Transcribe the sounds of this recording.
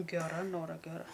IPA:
ɡʲɛˈrɐ ˈnoːrɐ ɡʲɛˈrɐ

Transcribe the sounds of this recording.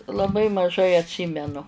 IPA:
lˠɐˈbɐɪ mɐˈʒɐɪ ɐtʲˈsʲiːmʲɛnʊ

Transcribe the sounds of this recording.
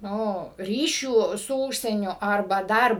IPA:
ˈnʊ ˈrʲiːʃʲuː sʊ ˈuːʃʲsʲiɛnʲʊ ɐrˈbɐ ˈdɐr

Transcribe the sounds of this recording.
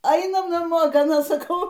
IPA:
ˈɐɪnɐm nɐˈmoː ɡɐˈnɐ sɐˈkɐʊ

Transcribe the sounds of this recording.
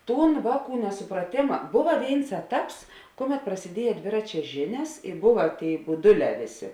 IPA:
ˈtuːn ˈʋɑːˌkuː nʲɛsʊprɐˈtʲeːmɐ ˈboːʋɐ ˈʋʲeːɪns ˈæːˌtɐps ˈkʊˌmʲɛt prɐsʲɪˈdʲiɛjɛ ˈdʲʋʲɪrɐt͡ʃʲɛ ˈʒʲɪnʲɛs ɪr ˈbʊʋɐ ˈtʲeːɪ bʊˈdʊˌlʲɛː ˈʋʲeːˌsʲeː

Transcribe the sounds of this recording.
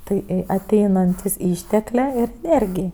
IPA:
ˈtɐɪ ɪ ɐˈtʲɛɪnɐnʲtʲɪs ˈɪʃʲtʲɛklʲeː ɪr ɛˈnʲeːrʲɡʲɪj

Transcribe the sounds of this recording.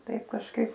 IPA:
ˈtɐɪp kɐʃˈkɐɪp

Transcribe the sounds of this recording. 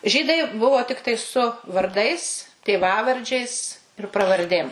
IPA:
ˈʒʲiːdɐɪ ˈbʊʋoː ˈtʲɪktɐɪ sʊ ʋɐrˈdɐɪs tʲeːˈʋɑːʋɐrʲd͡ʒʲɛɪs ɪr prɐʋɐrʲˈdʲeːm

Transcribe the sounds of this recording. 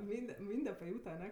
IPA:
ˈmʲiːnʲdʲɛ ˈmʲiːnʲdʲɛ pɐˈjuːtɐ ɐˈnʲɛ

